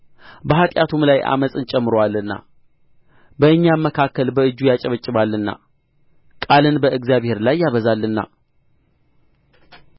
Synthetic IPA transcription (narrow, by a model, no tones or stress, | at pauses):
bəɦat̪ʼjat̪ʰumlajʔa̰məsʼɨnt͡ʃʼɛmːɨɾowalːɨnːa̰ | bəɨɲːamːəkʰakːəlbəɨd͡ʒːujat͡ʃʼɛβət͡ʃʼːɪβalːɨnːa̰ | kʼalɨnbəɨɡzijaβhe̞ɾlajːaβəzalːɨnːa̰